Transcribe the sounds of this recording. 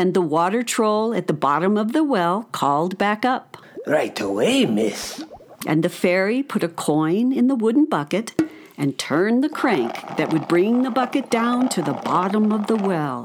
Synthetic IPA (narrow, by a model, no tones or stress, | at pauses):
ɨ̃nðəwɔɾə˞tʰɹ̥oʊlˠɨt̪̚ðəbɑɾə̃mʌvðəwɛlˠkʰɔlˠd̚bækʌp̚ | ɹaɪtəweɪmɪsʔɨ̰̃nðɨfɛɹipʰʊɾɨkʰɔ̃ɪ̃nɨ̃nðəwʊdⁿn̩bʌkɨɾ | ɨ̃ntʰɜ̃˞nðɨkʰɹ̥æ̃ŋkðɨʔ̚wɨd̚bɹɪ̃ŋðɨbʌkɨt̚d̥ãʊ̃ntʰɨðəbɑɾə̃mʌvðəwɛlˠ